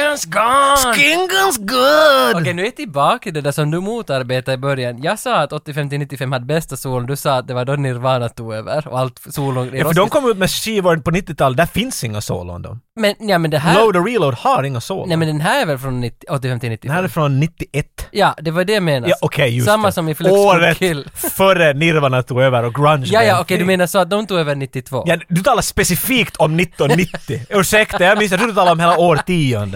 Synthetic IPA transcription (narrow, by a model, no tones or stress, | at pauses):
nsɡɑskɪŋɡənsɡʊdɔkɛjnʉːɛt̪ʰɪlbɑːkat̪ɪld̪ɛd̪æʂsɔmnʉːmuːt̪aɾbeːt̪aɪbœɾjanjɑːɡsɑːat̪ɔt̪ːɪfɛmt̪ɪnɪt̪ːɪfɛmhad̪ːbɛst̪asuːlənd̪ʉsɑːt̪̚d̪ɛvaɖɔnɪɾvɑːnat̪ʰuːɡøːvə̰ɾɔ̰alt̪suːlʊnɪɾɔfdɔmkʰɔmːʉːt̪mɛʃiːvɔːɾpʰɔnɪt̪ːɪt̪ʰɑːləd̪æɾfɪnsɪŋːaso̰ːlɔ̰nd̪ɔ̰mmɛnjɑːmɛnd̪ɛɦæloʊd̪ɔɹiːloʊd̪haɾɪŋːaso̰ːlnɛmɛnd̪ɛnɦæːɾɛɾvɛlfɾɔnːɪt̪ːɪɔt̪ːɪfɛmt̪ɪlnɪt̪ːɪɛnhæːɾɛfɾɔnːɪt̪ːɪʔɛt̪ːjɑːd̪ɛvadɛjameːnɑʔɔkʰɛjjʉsmːasɔmɪfloːɾətlːfœɾənɪɾvaɳat̪ʰuːɡøːvəɾɔɡɾanjɑjɑɔkɛjd̪meːnasɔat̪̚d̪ɔmt̪uːɡøːvəɳɪt̪ːɪt̪ʰvo̰ːjɑd̪ʉt̪ʰɑːlaspɛsɪfiːkt̪ʰɔmnɪt̪ːɔnnːɪt̪ːɪʉːʂɛkt̪əjamɪnsjɑt̪ʰuːd̪ʉt̪ɑːlɾɔmheːlaoːɾət̪ʰːiːɔnd̪ə